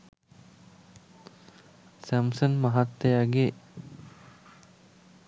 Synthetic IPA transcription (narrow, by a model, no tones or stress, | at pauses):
sæmsənmaɦat̪ːejaɡe